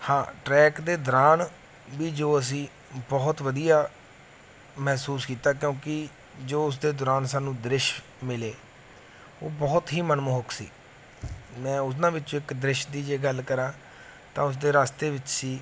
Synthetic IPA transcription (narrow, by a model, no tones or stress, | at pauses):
hãːʈɾɛːkd̪eːd̪əɾaːn | ʋiːd͡ʒoːəs̬ĩː | bɔːt̪ʋəd̪ijaː | mɛːsuːskiːt̪aːk̬jõːkɪ | d͡ʒoːʊs̬d̪eːd̪oːɾaːnsaːnũːd̪ɾɪʃ | mɪleː | o̰ːbɔːt̪ɦiːmənmoɦʊksḭː | mɛ̃ːʊs̬nãːʋɪt͡ʃːõːɪkd̪ɾɪʃd̪iːd͡ʒeːɡəlkəɾãː | t̪ãːʊs̬d̪eːɾaːst̪eːʋɪt͡ʃsiː